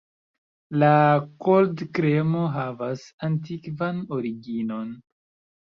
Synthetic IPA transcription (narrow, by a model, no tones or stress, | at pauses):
lakoldkɾemoɦavasant̬ikvanoɾiɡino̞n